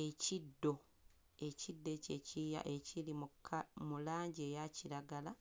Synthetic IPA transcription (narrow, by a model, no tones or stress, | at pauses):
e̞cidːo̞ | e̞cid̪ːe̞ce̞cija̰ʔe̞cʰilimkmulaːɲɟie̞ːjaciɾaɡala